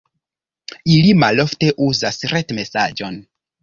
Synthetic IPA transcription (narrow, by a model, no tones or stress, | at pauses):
ilimalo̞fte̞ʔuzasɾetme̞sad͡ʒo̞n